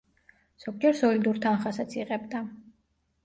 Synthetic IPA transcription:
z̥ɔɡd͡ʒɛɾsɔlid̪uɾt̪ʰanχasat̪sʰiʁʼɛbd̪a

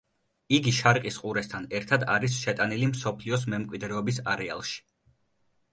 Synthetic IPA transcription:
iɡiʃaɾiqʼisqʼuɾɛst̪ʰanɛɾt̪ʰad̪a̰ɾisʃɛt̪ʼanilimsɔpʰliɔs̬mɛmkʼwid̪ɾɛɔbisaɾɛa̰lˠʃi̥

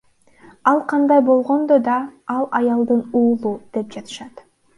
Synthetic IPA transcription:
ɑlˠqʰɑnd̪ɑjbo̞lˠʁo̞nd̪od̪ɑɑlˠɑjɑlˠd̪ɯnuːlˠud̪̥e̞p̚d͡ʒɑt̪ʰɯ̥ʃɑt̪

